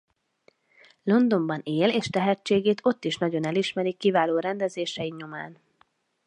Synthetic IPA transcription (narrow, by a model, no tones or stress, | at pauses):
lo̞nd̪o̞mbɒneːleːʃt̪ɛɦɛt͡ʃːeːɡeːt̪ʰo̞t̪ːiʃnɒɟo̞nɛliʃmɛɾikːivaːloːɾɛnd̪ɛzeːʃɛjiɲo̞maːn